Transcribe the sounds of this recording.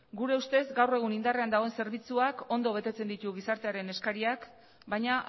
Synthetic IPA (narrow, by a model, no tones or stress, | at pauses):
ɡuɾe̞ust̪e̞zɡawre̞ɣ̞unind̪are̞and̪aɣo̞e̞nse̞ɾβ̞it͡suako̞nd̪o̞β̞e̞t̪e̞t͡se̞nd̪it̪uɣ̞isaɾt̪e̞aɾe̞ne̞skaɾiak | bajɲaʔ